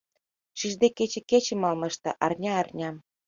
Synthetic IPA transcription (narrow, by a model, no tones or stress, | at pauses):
ʃiʒd̪eket͡ɕĕket͡ɕĕmɑlmɤ̆ʃt̪ɑ̰̆ʔɑrnʲɑːrnʲɑm